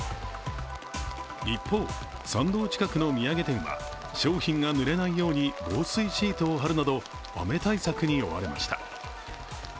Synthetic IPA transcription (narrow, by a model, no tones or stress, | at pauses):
ipʰːo̞ː | sãnd̪o̞ːt͡ɕi̥kakɯ̟no̞mʲiaɡe̞t̪ẽ̞ɰ̃βa̰ | ɕo̞ːçĩŋɡanɯ̟ɾe̞naijo̞ːɲ̟ibo̞ːsɨiɕiːt̪oːɦaɾɯ̟nad̪o̞ | βa̰me̞t̪aisakɯ̟ɲ̟io̞̰βa̰ɾe̞ma̰ɕi̥t̪ḁ̰